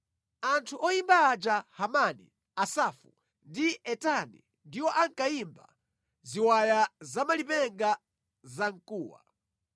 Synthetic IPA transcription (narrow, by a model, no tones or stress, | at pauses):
antʰuʔɔjimbaːd͡ʒahamanḭ | asafṵ | ndiɛtanḭ | ndiwɔʔaŋkaimba | ziwajazamalipɛŋɡa | zaŋ̩kuːwa̰